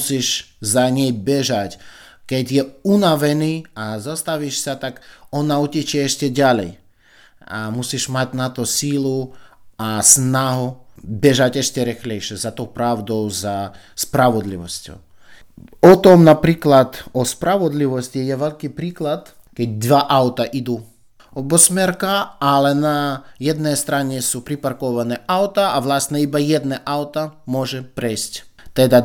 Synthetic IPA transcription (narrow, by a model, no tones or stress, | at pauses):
siʒzaɲɛjbɛʒac | kɛɟjɛunaʋɛniːazast̪aʋiʃsat̪akɔnaucɛt͡ʃɪɛɛʃcɛɟalɛ̰j | amusiʒmaɟnat̪ɔsiːluasnaɦubɛʒaɟɛʃcɛɾixlɛjʃɪɛzat̪ɔʊpɾaʊd̪ɔʊza | spɾaʋɔd̪liʋɔscɔ̰ʊ | ɔt̪ɔmnapɾiːklat̪ɔspɾaʋɔd̪liʋɔscijɛʋɛlʲkipɾiːklat̪ | kɛɟ̚d̪ʋaʔawt̪aʔid̪u | ɔbɔsmɛɾkaalɛnajɛd̪nɛjst̪ɾaɲɛsupɾipaɾkɔʋanɛʔawt̪aaʋlast̪nɛibajɛd̪nɛʔawt̪amɔʒɛpɾɛjscʲ | t̪ɛd̪a